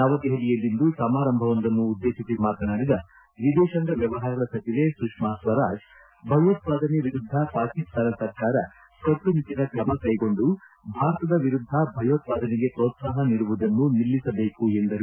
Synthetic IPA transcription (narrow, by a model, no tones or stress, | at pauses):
naʋɐt̪eɦelijɐlːind̪usɐmaːɾɐmbʱɐʋɐnd̪ɐnːuːd̪ːeːʃisimaːt̪ɐnaːɾid̪ɐ | ʋid̪ɛːʃɐŋɡɐʋjɐʋɐɦaːɾɐɡɐɽɐsɐt̪iʋesukʂmaːsʋɐɾaːʃ | bʱɐjot̪ʋaːd̪ʱɐnɛʋiɾud̪ʱːɐpaːɾkist̪ʰaːnɐsɐɾkaːɾɐ | sɐt̪ːunit̪inɐkɾɐmɐkɐjɡo̞ɳɖu | bʱaːɾɐt̪ɐd̪ɐʋiɾud̪ʱːɐbʱɐjot̪ʋaːd̪ʱɐniɡe̞pɾoːt̪saːɦɐniɽuʋud̪ɐnːunilːisɐbe̞ːkuend̪ɐɾu